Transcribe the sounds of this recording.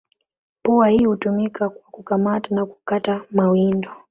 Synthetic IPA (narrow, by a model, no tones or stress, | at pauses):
puwahiːhutumikakwakukamatanaku̥katamawindɔ